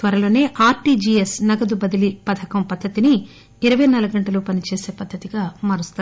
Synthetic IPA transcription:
t̪ʋɐɾɐlo̞ːne̞ːʔaːɾʈiːd͡ʒiːesnɐɡɐd̪ubɐd̪ilipɐt̪ʰɐkɐmpɐd̪ʱːɐt̪iniː | ɾɐʋɐjnɐlɐɡɐɳʈɐluːpɐnit͡ʃeːse̞ːpɐd̪ʱːɐt̪iɡaːmɐːɾust̪u

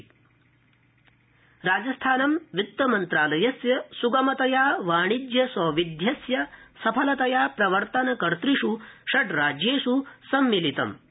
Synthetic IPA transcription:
ɾaːd͡ʒɐst̪ʰaːnɐmʋit̪ːɐmɐnt̪ɾaːlɐjɐsjɐsuɡɐmɐt̪ɐjaːʋaːɳid͡ʒ̪jɐsɔːʋid̪ʱjɐsjɐsɐpʰɐlɐt̪ɐjaːpɾɐʋɐɾt̪ɐnɐkɐɾt̪ɾiʂuʃɐʈɾaːd͡ʒeːʂusɐmːilit̪ɐ̰m

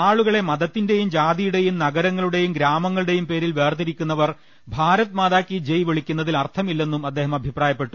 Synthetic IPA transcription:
aːɭuɣɐɭe̞mɐðɐt̪ːinde̞jumd͡ʑaːd̪ijuɽe̞jumnɐɡɐɾɐŋːɐɭuɽe̞jumɡɾaːmɐŋːɐɭuɽe̞jumpe̞ːɾilʋe̞ːrt̪iɾikʲːunːɐʋɐr | bʱaːɾɐt̪ːmaːðaːkːid͡ʑejʋeɭikʲːunːɐðilɐrt̪ʰɐmilːe̞nːumɐd̪ːe̞ːɦɐmɐbʱipraːjɐpːe̞ʈːu̥

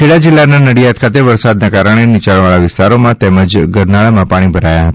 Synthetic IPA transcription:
kʰeɭad͡ʒɪlːananəɽijat̪̚kʰat̪̬eʋəɾsad̪nakaɾəɽ̃enit͡ʃaɭʋaɭaʋɪst̪aɾomãt̪ɛməd͡ʒɡəɾnaɭamãpaɽ̃ibʱəɾajaɦət̪a

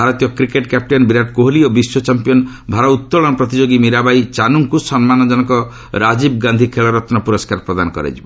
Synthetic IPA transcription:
bʱaɾɔt̪ijɔkɾikeʈkap̚ʈɔnbiɾaʈkoɦliobiswɔt͡ʃampijɔn | bʱaɾɔut̪ːɔɭɔnɔpɾɔt̪id͡ʒoɡimiɾabajt͡ʃanuŋkusɔnmanɔd͡ʒɔnɔkɔ | ɾad͡ʒibɡand̪ʱikʰeɭɔɾɔt̪nɔpuɾɔskaɾpɾɔd̪anɔkɔ̰ɾḛd͡ʒibɔ

